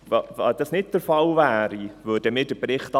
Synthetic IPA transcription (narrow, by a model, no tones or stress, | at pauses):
vɑvɑ̰ːd̥ɑsnɪt̚d̥əɾfɑlvæːɾivʉːdəmɪːd̥əbɾɪχtɑ